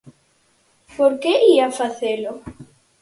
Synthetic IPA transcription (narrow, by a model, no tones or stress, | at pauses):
poɾkeiafaθelo